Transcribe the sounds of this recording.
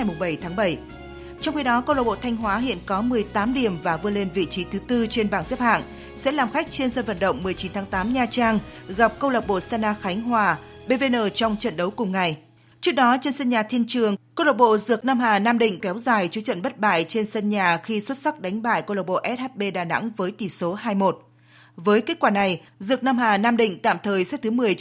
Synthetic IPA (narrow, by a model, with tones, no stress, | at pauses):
jmʊ˨˩ŋ͡mɓə˧˩jt̪ʰaː˨˦ŋɓə˧˩j | t͡ɕɔ˧wŋ͡mxi˨˧˦ɗɔ˨˦kə˧wlə˨˩ɓo̰˧˨t̪ʰa˧jŋ̟ɦwaː˨˦ɦḭ˧˨ənkɔ˨˦mɨ˨˩əjt̪aː˨˦mɗi˧˩əmvaː˨˩vɨ˧əle˧nvḭ˧˨t͡ɕi˨˦t̪ʰɨ˨˦t̪ɨ˧t͡ɕe˧nɓaː˧˩nsɛ˦˥p̚ha̰ː˧˨n | sɛ̰˧˥laː˨˩mxa˦˥jk̟̚t͡ɕe˧nzə˧nvə̰˧˨nɗə̰˧˨wŋ͡mmːɨ˨˩əjt͡ɕi˨˦nt̪ʰaː˨˦ŋt̪aː˨˦mɲaː˨˧˩t͡ɕaː˧ŋ | ɣa˨˩p̚kə˧wlə˨˩k͡p̚ɓo̰˧˨saː˧naː˧xa˨˦jŋ̟ɦwaː˨˩ɓe˧ve˧nəː˧˩t͡ɕɔ˧wŋ͡mt͡ɕə̰˧˨nɗə˨˦wkʊ˨˩ŋ͡mŋa˨˩j | t͡ɕɨ˦˥ək̚ɗɔ˨˦t͡ɕe˧nsə˧nɲaː˨˩t̪ʰi˧ənt͡ɕɨ˨˩əŋkə˧wlə˨˩k͡p̚ɓo̰˧˨zɨ˨˩ək̚naː˧mɦaː˨˩naː˧mɗḭ̈˧˨ŋ̟kɛ˨˦wzaː˨˩jt͡ɕu˨˦t͡ɕə̰˧˨nɓə˦˥t̚ɓa̰ː˧˨jt͡ɕe˧nsə˧nɲaː˨˩xi˧swə˦˥t̚sa˦˥k̚ɗa˨˦jŋ̟ɓa̰ː˧˨jkə˧wlə˨˩ɓo̰˧˨ʔɛ˦˥t̚ha˦˥t̚ɓe˧ɗaː˨˩na̰˧˥ŋvəː˨˦jt̪i˨˩so˨˦ɦaː˧jmo˨˩t̚ | vəː˨˦jke˦˥t̚kwaː˧˩na˨˩jzɨ˨˩ək̚naː˧mɦaː˨˩naː˧mɗḭ̈˧˨ŋ̟t̪a̰ː˧˨mt̪ʰəː˨˩jsɛ˦˥t̚t̪ʰmɨ˨˩əj